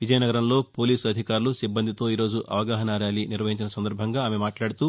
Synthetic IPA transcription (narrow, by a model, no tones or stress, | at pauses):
ʋid͡ʒɐjɐnɐɡɐɾɐmlo̞ːpoːliːsɐd̪ʱikaːɾulusibːɐnd̪it̪o̞ːiːɾo̞ːd͡ʒuʔʔɐ̰ʋɐɡaːɦɐnaːɾjaːliniɾʋɐɦiɲt͡ʃinɐsɐnd̪ɐɾbʱɐŋɡaːaːmemaːʈlaːɽut̪uː